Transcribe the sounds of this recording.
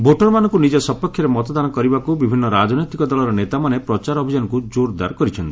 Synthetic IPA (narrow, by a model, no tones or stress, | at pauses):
boʈɔɾmanɔ̃ŋkunid͡ʒesɔpɔkʰːjɔɾemɔt̪ɔd̪anɔkɔɾibakubibʱinːɔɾad͡ʒɔnɔjt̪ikɔd̪ɔlɔɾɔnet̪amanepɾɔt͡ʃaɾɔbʱid͡ʒanɔkud͡ʒoɾd̪a̰ɾkɔɾit͡ʃʰɔnt̪i̥